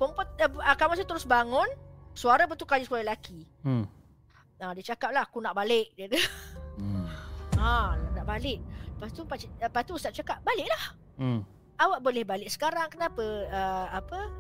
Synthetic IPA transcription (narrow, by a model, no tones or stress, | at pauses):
pəmpʊt̪̚əkamãs̬at̪əɾʊsbaŋʊnsuaɾabət̪ukajiskalalakʰi | adiət͡ʃakap̚lahkunaʔbalɪʔ̚dət̪u | anaʔnaʔbalɪʔ̚əpast̪upat͡ʃpast̪uːst̪atʔ̚t͡ʃakap̚balɪʔlah | awaʔ̚bolɛhbalɪʔ̚sə̥kaɾaŋkənapəəapə